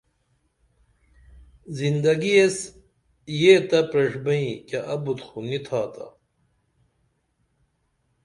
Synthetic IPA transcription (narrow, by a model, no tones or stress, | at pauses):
zind̪ɐɡies | jeːt̪ɐpɾɐʂbɐĩkɐʔɐbut̪xunit̪ʰaːt̪ɐ̰